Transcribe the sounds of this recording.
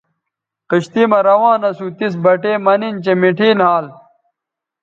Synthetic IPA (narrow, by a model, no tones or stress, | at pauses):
qiɕt̪imɐɾɐwãːnɐsuːt̪is̬bɐʈeːmɐnint͡ɕemiʈʰiːnɦaːl